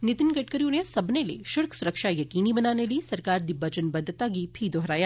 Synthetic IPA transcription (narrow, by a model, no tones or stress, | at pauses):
nɪt̪ɪnɡɐʈkəɾjũnesɐbnelḛʃʊɽksʊɾəkʃajɐkiːnibɐnaːneliisɐɾkaːɾd̪ɪbːɐd͡ʒənbɐd̪ʱːt̪aɡipʰid̪ɔɦɾaːja